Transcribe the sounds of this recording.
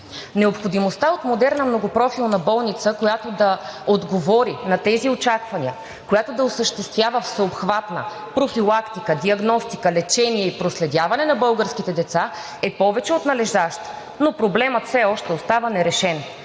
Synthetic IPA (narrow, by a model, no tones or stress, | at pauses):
nɛopxod̪imost̪aot̪mod̪ɛɾnɐmnoɡopɾɔfilˠnɐbɔlˠnit̪səkojat̪od̪ɐod̪ɡovɔɾinɐt̪ɛziot͡ʃakvɐniə | kojat̪od̪ɐosəʃt̪ɛst̪vʲjavəfsəopxvat̪nə̰ | pɾofilˠakt̪ikəd̪iɐɡnɔst̪ikəlɛt͡ʃɛniɛipɾoslɛd̪ʲjavɐnɛnɐbɤlˠɡəɾsk̟it̪ɛd̪ɛt̪sa | ɛpɔvɛt͡ʃɛot̪nɐlɛʒd̪aʃt̪ | nopɾoblɛmət̪fsɛɔʃt̪ɛost̪avənɛɾɛʃɛn